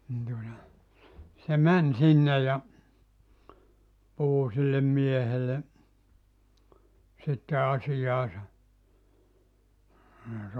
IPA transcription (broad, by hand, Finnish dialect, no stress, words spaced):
nin tuotɑ se mæn sinːe jɑ puhu silːem miehele sitːe ɑsijɑːsɑ jɑ sĕ